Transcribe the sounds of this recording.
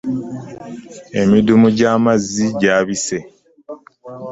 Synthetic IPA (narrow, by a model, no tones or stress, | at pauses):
e̞midumuɟaːmazːiɟaːβise̞